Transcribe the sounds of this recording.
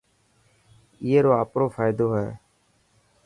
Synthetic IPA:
ieːɾoːaːpɾoːfʰaːjɪd̪oːɦɛ̰ː

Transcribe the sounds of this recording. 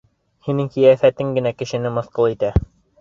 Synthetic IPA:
hinɘŋkĭjæfæt̪ɘŋɡɘ̆nækɘ̆ʃɘ̆nɘmŏθqɤlˠit̪æ

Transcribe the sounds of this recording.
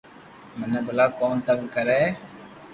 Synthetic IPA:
məneːbəlaːkoːnt̪əɡkəɾeː

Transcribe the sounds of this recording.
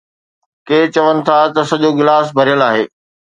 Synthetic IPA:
keːt͡ɕɐʋənɪ̆t̪ʰat̪ɐsɐʄoɡɪlaːsbʱɐɾijəlaːɦeː

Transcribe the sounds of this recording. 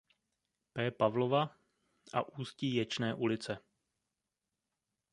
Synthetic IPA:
pɛːpavlova | ʔa̰ʔuːsciːjɛt͡ʃnɛːʔulɪt͡sɛ

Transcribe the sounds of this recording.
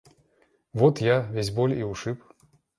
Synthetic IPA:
vot̪javʲes̬ʲbolʲiʊʂɨp

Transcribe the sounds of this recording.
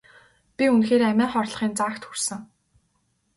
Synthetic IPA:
pʲiunxeːɾæmʲæːχɔrɮ̆χiːnt͡saːkt̪xursɘ̆ŋ

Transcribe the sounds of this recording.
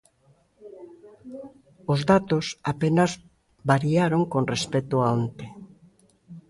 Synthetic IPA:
ozðat̪osapenaz | βaɾiaɾoŋkonrespet̪oaont̪e

